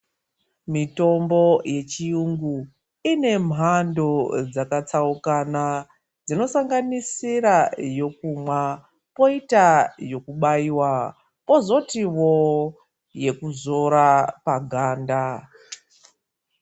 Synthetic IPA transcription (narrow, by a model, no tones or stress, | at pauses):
mito̞mbo̞je̞t͡ʃijuŋɡu | ine̞m̤ʱando̞d͡zakat͡saukana | d͡zino̞saŋɡanisiɾajo̞k̚umwa | po̞itajo̞kuɓaiwa | po̞zo̞tiwo̞ | je̞kuzo̞ɾapaɡʱaːnda